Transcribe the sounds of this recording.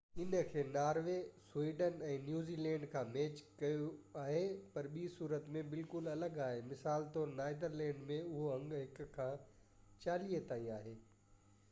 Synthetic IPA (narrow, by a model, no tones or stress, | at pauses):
ɪnə̆kʰeːnaːɾʋeswiːɖənɛ̃ːnjuːziːlɛ̃ːɳɖkʰãːmeːt͡ɕkɐjoaːɦepɐɾɓiːsuːɾət̪mẽbɪlkʊlɐləɡaːɦemɪsaːlt̪onaːɪd̪əɾlɛ̃ːɳɖmẽʊɦoɐ̃ŋɡɦɪkkʰːãː | t͡ɕaːlijet̪aːĩaːɦeː